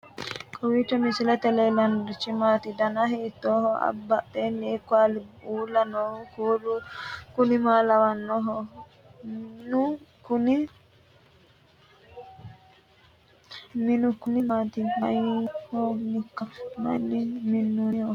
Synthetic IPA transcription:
kʼɔwiːt͡ʃːɔmɪsɪlɛt̪ɛlelɐnɾɪt͡ʃːɪmaːt̪ɪd̪ɐnɐɦiːt̪ːoːhɔɐ̰bːɐʔenːɪːkːalɪuːlːɐnɔkuːlʊkʊnɪmaːlɐwɐnːɔɦɔ | nʊkʊnɪ | mɪnʊkʊnɪmaːt̪ɪmɐjhɔnɪkːɐmɐ̰nːɪmɪnːuɔ

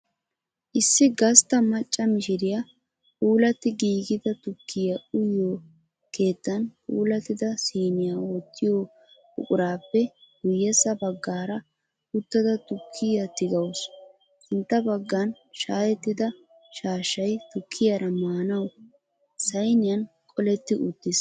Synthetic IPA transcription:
ʔɪsːɪɡɐst̪ɐmɐt͡ʃʼːɐmɪʃɪɾɪja | puːlɐt̪ːɪɡiːɡɪd̪ɐt̪ʊkʰːɪjɐʔʊjːoː | ke̞ːt̪ːɐnpʼṵːlɐt̪ːɪd̪ɐsiːnɪjaoːt̪ʰːɪjoː | ʊ̰kʼʊɾaːpːɛɡʊjːɛsɐbɐɡːaːɾɐ | ʊt̪ːɐd̪ɐt̪ʊkʰːɪjɐt̪ːɪɡɐws | ʔɪnt̪ːɐbɐɡːɐn | ʃaːjɛt̪ːɪd̪ɐ | ʃaːʃːɐjt̪ʊkʰːɪjɐɾɐmaːnɐw | sɐjnɪjɐnkʼɔlɛt̪ːɪʔʊt̪ːɪs

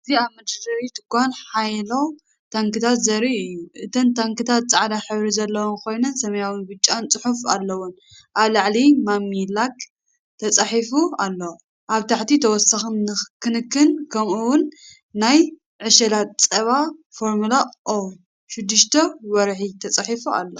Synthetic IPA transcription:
ɨziaβmɐd̪ɐɾɐɾit̪ʰɨ̥kːanħajlo̞ | t̪ʰaŋkɨt̪ʰat̪zɐɾiɨjːuʔɨt̪ʰɐnt̪ʰaŋkɨt̪ʰat̪̚t͡sʼaʕd̪aħɨβɾizɐlːɐwonkʰo̞jnɐnsɐmɐjawinbɨt͡ʃʼːant͡sʼɨħufa̰lːɐwun | ʔaβlaʕlimamilak | t̪ʰɐt͡sʼaħifualːo | ʔaβt̪ʰaħt̪it̪ʰɐwɔsaxnːɨkʰɨnɨkːɨnkʰɐmuwʊnː | aj | ʕɨʃɐlat̪̚t͡sʼɐβafo̞ɾmulaʔo | ʃɪd̪ːɨʃt̪ʰɐwɔɾħit̪ʰɐt͡sʼaħifua̰lːo

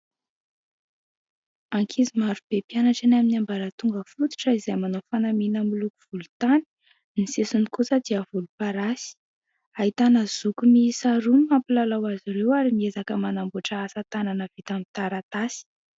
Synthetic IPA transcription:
aŋkʰizimaɾub̥epjanaʈ͡ʂenaminambaɾət̪uŋɡəfut̪u̥ʈ͡ʂəizajmanofanaminəmilukuv̥ulut̪ani̥ | nisesunikusəd̪̥iəvulupaɾasi̥ | aɦit̪anəz̥ukumiːsaɾunimampilalawaziɾewaɾimiezakəmanambuaʈ͡ʂəasat̪ananəvit̪amit̪aɾat̪asi̥

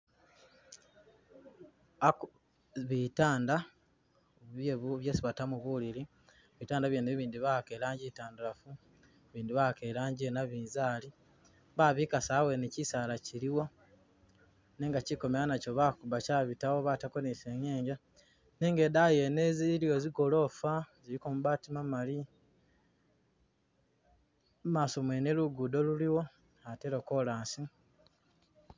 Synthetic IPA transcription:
ak | βitaːnda | βjeβuβjeːsiβatamuβuliɾi | βitaːndaβjeneββiːndiβakelaːɲɟitaːndulafu | βiːndiβakeɾaːɲɟenaβiːnzaːli | βaβikasawe̞nicisaːlaciɾiwo̞ | ne̞ːŋɡaciko̞meɾanaco̞βakubacaːβitawoβatako̞neseɲeːɲɟa | neːŋɡedajeneziilijoziɡolo̞fazilikomuβatimamali | maːso̞mweːneluɡudo̞luliwo̞ | ateɾokolaːnsi

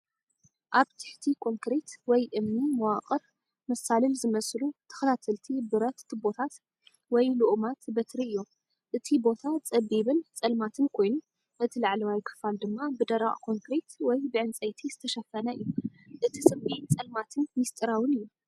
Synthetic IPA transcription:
ʔaβt̪ʰɨ̥ħt̪ʰikʰo̞ŋkɾet̪wɔjʔɨmnimɐwaqʼɨɾ | mɐsalɨlzɨmɐsʼlut̪ʰɨ̥xɐt̪ʰat̪ʰɐlt̪ʰibɨɾɐt̪bo̞t̪ʰat̪ | wɔjluʔmat̪bɐt̪ʰɾiɨjːo | ʔɨt̪ʰibo̞t̪ʰat͡sʼɐbiβɨnt͡sʼɐlmat̪ʰɨnkʰo̞jnu | ʔɨt̪ʰilaʕlɐwajkʰɨ̥fald̪ɨmːabɨd̪ɐɾa̰ʔʼkʰo̞ŋkɾet̪wɔjbɨʕɨnt͡sʼɐjt̪ʰizɨt̪ʰɐʃɐfɐnɐʔɨjːuʔɨt̪ʰit͡sʼɐbint͡sʼɐlmat̪ʰɨnmist̪ʼɨɾawɨnɨjːu

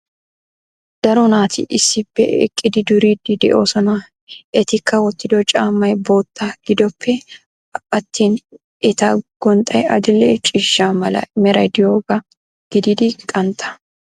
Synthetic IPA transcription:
d̪̥ɐɾɔnaːt̪ʰɪ̰ʔɪsːɪpːɛ̰ɛ̰kʼːɪd̪ɪd̪ʊɾid̪ɪd̪ɛ̰ʔo̞ːsɔnɐ | ɛt̪ɪkːɐwɔt̪ːɪd̪ɔt͡ʃʼaːmːɐjbo̞ːt̪ʰːaɡ̥ɪd̪ɔpʰːɛ | ɐt̪ːiːn | ɛt̪aɡ̥ɔnt̪ʼɐjɐd̪ɪlːɛt͡ʃʼiʃːamɐlɐ̰mɛɾɐjd̪ɪjoːɡɐ | ɡ̥ɪd̪ɪd̪ɪkʼɐnt̪ʰɐ̥

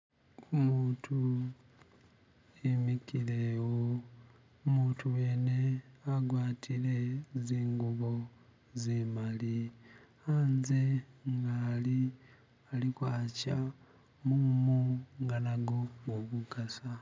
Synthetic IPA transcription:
umuːtʰu | imikilewo | muːtuwe̞ːne̞aɡwaːtʰile̞ziːŋɡuβo̞ | zemali | aːnze̞ŋɡaːli | alikwaːca | mumuŋɡanaɡouβukasa

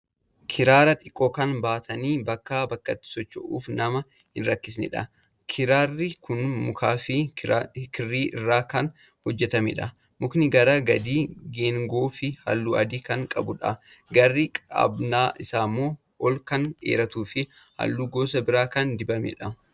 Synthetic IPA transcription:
kʰɪɾaːɾɐt̪ʼɪkʼːoːkɐnbaːt̪ʰɐniːbɐkːabɐkːɐt̪ːɪ̥sɔt͡ʃːʊʔuːfnɐmɐ | hɪnɾɐkːɪs̬nɪ̰ᶑɐ̰ | kʰɪɾaːrːɪkʊnmʊkaːfɪ | kɪrːiːʔɪrːaːkɐn | hɔd͡ʒːɛt̪ɐmɛ̰ᶑɐ | mʊknɪɡɐɾaːɡɐd̪iːɡeːŋɡoːfɪhɐ̰lːuːɐd̪iːkɐŋkʼɐbʊᶑɐ̰ɡɐrːikʼa̰bnaːʔɪsaːmːoː | ʔɔlkɐnḛːɾɐt̪uːfɪ | hɐ̰lːuːɡo̞ːs̬ɐbɪɾaːkɐnd̪ɪbɐmḛᶑɐ

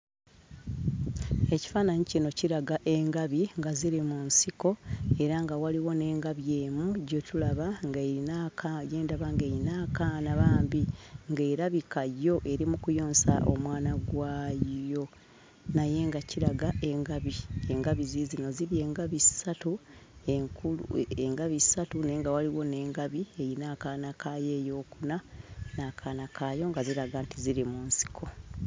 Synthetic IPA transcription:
e̞ci̥faːnaɲiceno̞ciɾaɡaʔe̞ŋɡaβiŋɡaziɾimunsiko̞e̞ɾaŋɡawaliwo̞ne̞ːŋɡaβjeːmuɟotulaβaŋɡainakajeːndaβaŋɡeɾinaːkanaβaːmbiŋɡe̞ːɾaβikajo̞ʔe̞ɾimukujo̞ːnsa̰ʔo̞̰mwaːnaɡwaːjo̞ | naje̞ŋɡaciɾaɡaʔe̞ŋɡaβie̞ŋɡaβizizino̞ziβje̞ːŋɡaβisatueŋkulueŋɡaβisatune̞ːŋɡawaliwo̞ne̞ːŋɡaβie̞jinaːkaːnakaje̞ːjo̞ːkunanakʰaːnakʰaːjo̞ŋɡaziɾaɡaːntiziɾimuːnsi̥kʰo̞

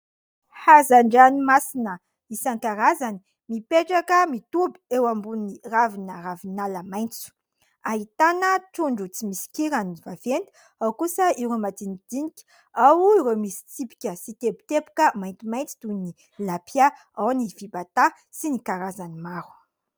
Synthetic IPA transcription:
hazaɳɖ͡ʐanimasinə | isankaɾazani̥ | mipeʈ͡ʂakəmit̪ubi̥ewambuniravinəravinaləmajnt͡su̥ | aɦit̪anəʈ͡ʂuɳɖ͡ʐut͡simisi̥kiɾanivavent̪i̥ | awkusəiɾomat̪inid̪̥inikʲ | awiɾemisi̥t͡sipi̥kʲəsit̪ebi̥t̪epu̥kəmajnt̪imajnt͡si̥t̪uni | lapʰia | awnivibat̪a | sinikaɾazanimaɾu̥

